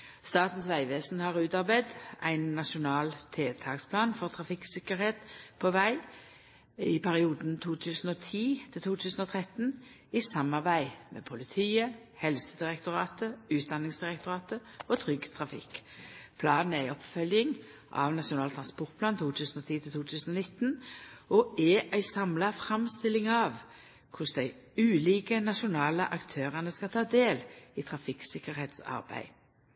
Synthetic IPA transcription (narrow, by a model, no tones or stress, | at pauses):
st̪ɑːt̪n̩sʋæɪʋeːsnhɑʁʉːt̪ɑʁbæɪd̪æ̰ɪnːɑʃʊnɑːlt̪ʰeːt̪ʰɑːkspʰlɑːnfɔʁt̪ʰʁɑfɪksɪkəʁɾheːt̪pʰoʋæɪ | ɪpʰæʁɪuːd̪nt̪ʰuːt̪ʰʉːsn̩oːt̪ʰiːt̪ʰɪlt̪ʰuːt̪ʰʉːsn̩ɔːt̪ʰʁɛt̪n | ɪsɑmɑʁbæɪmʔɛ̰ːpʰʊlɪt̪ʰiːə | hɛlsəd̪ɪʁɛkt̪ʊʁɑːt̪əʉːt̪̚d̪ɑnɪŋsd̪ɪʁɛkt̪ʊʁɑːt̪əɔt̪ʰʁʏɡt̪ʰʁɑfɪ̰kːpʰlɑːnn̩æɪɔpfœljɪŋ | ʔɑ̰ʋnɑʂɪʊnɑːlt̪ʰʁɑnspɔʁt̪̚pʰlɑːnt̪ʰuːt̪ʰʉːsən̩ɔt̪ʰiːt̪ʰɪlt̪uːt̪ʰʉːsənɔnɪt̪ːnɔʔɛʔæɪsɑmlɑfɾɑmst̪ɪlːɪŋɑʋ | kʰʊsd̪æɪ | ʉːliːɡənɑʂʊnɑːlə̰ʔɑkt̪ʰøːʁənəskɑt̪ʰɑːd̪eːliːt̪ʰʁɑfɪksɪkəʁheːt̪sɑ̰ʁbæ̰ɪ